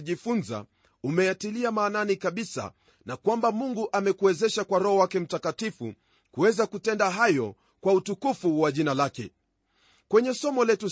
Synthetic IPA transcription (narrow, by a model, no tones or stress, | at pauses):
ʄifunza̰ | umɛjatiliamaːnanikaɓisa̰ | nakwambamuŋɡuʔamɛkuɛzɛʃakwaɾɔɦɔwakɛm̩takatifu | kuwɛzakutɛndaɦajɔ | kwautukufuwaʄinalakɛ̰ | kwɛɲɛsɔmɔlɛtu